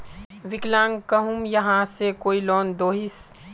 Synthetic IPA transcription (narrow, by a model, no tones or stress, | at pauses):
ʋɪklãːŋkəɦumjɐɦãsekoːiloːnd̪oːɦis